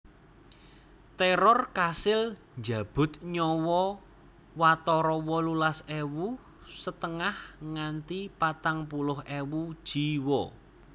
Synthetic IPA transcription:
t̪ɛɾɔrkasɪl | nd͡ʒa̤b̥ʊ̤t̪̚ɲɔwɔ | wat̪ɔɾɔwɔlulasewu | sət̪əŋahŋant̪ipat̪aŋpulʊɦewud̥ʒ̥iwɔ

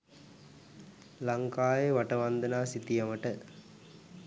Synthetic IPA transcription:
laŋkaːjeʋaʈəʋand̪ənaːsit̪ijɐməʈə

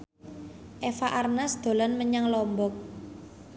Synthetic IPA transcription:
ʔefaʔarnasd̪̥o̤lanməɲaŋlɔmbɔk̚

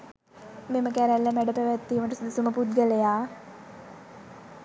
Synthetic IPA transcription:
meməkæɾælːəmæɖəpæʋæt̪ːiːməʈəsud̪əsuməpud̪̚ɡəlejaː

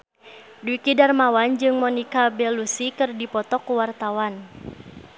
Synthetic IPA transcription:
duikidarmawand͡ʒɨŋmɔnikabɛlusikɨrdipɔt̪ɔkuwart̪awan

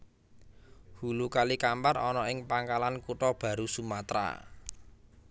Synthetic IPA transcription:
hulukalikamparɔnɔɪŋpaŋkalankuʈɔb̥a̤ɾusumat̪ɾa̰

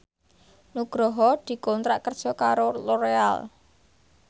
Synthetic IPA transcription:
nuɡ̥ɾɔɦɔd̪̥i̤kɔnt̪ɾaʔkərd̥ʒ̥ɔ̤kaɾoloɾea̰l

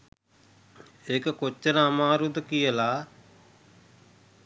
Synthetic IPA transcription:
eːkkot͡ʃːənaːmãːɾud̪kijəlaː

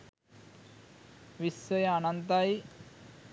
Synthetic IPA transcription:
ʋisːɐjanɐnt̪aj

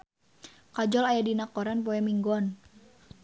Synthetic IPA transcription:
kad͡ʒɔlajadinakɔɾanpɔɛmiŋɡɔn

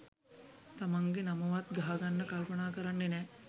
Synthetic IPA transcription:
t̪amaŋɡenaməʋat̪ɡaɦaɡanːəkalpənaːkəɾanːenɛ

